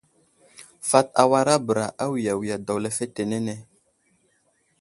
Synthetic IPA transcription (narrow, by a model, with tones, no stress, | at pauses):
fa˦t̚a˨wa˦ɾa˦bə˨ɾa˨ʔa˦wi˨ja˨wi˨ja˨da˨wle˨fe˦te˨ne˦ne˨